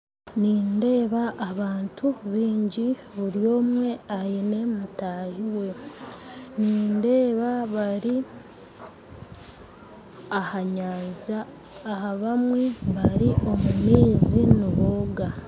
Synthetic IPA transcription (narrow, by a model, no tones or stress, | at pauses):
niːnde̞ːβaʔːβaːntʰuβiːɲɟi | βuɾjo̞ːmwe̞ajine̞mutahiwe̞ | niːnde̞ːβaβaɾi | ahaɲaːnzaː | haβamwiβaɾiʔo̞mumeːziniβoːɡa